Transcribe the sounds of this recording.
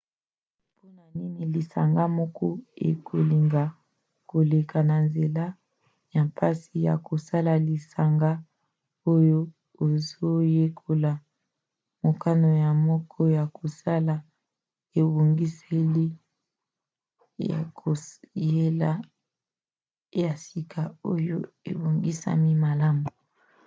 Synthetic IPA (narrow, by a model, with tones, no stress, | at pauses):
po˦na˨ni˦ni˨li˨sa̰˨ŋɡa˦mɔ˦kʰɔ˦ḛ˨kʰo˨li˨ŋɡa˨ | ko˨le˨kʰa˨na˨nze˨la˦ | ja˨mpʰa˦si˨ja̰˨ko˨sa˦la˨li˨sa˨ŋɡa˦ | o˦jo˦ | o˨zo˦je˦kʰo˨la˨ | mo˨ka˦no˨ja˨mɔ˦kʰɔ˦ja˨kʰo˨sa˦la˨ | e˨bo˨ŋɡi˦se˦li˦ | a̰˨ko˨je˦la˦ | ja˨si˨kʰa˨o˦jo˦ḛ˨bo˨ŋɡi˦sa̰˦mi˦ma˨la˦mu˨